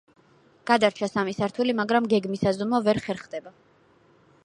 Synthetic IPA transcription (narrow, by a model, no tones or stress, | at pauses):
ɡ̥ad̪aɾt͡ʃʰasamisaɾt̪ʰulimaɡɾamɡɛɡmisazɔmavɛɾχɛɾχd̪ɛba